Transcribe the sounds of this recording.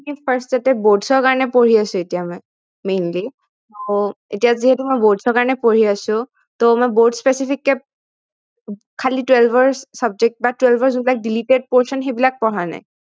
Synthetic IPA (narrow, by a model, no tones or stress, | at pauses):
ipʰaɹstzatɛboɹdsɔɹkaɹɔnɛpoɹiasʊ̃etijamɔj | mejnli | a | etijaziɦɛtumɔjboɹdsɔɹkaɹɔnɛpoɹiasʊ̃ | tomɔjboɹdspesipʰikːɛ | kʰalitwelbʱɔɹssab̚zek̚t̚batwɛlbɔɹzunbilak̚diliʈeɖ̚pɔɹsɔnxebilak̚pɔɹana̰j